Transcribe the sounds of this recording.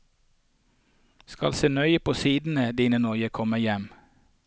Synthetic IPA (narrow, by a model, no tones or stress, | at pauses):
skɑlseːnœʏəpʰoːsiːd̪n̩əd̪iːnənɔʏəkʰɔməjɛm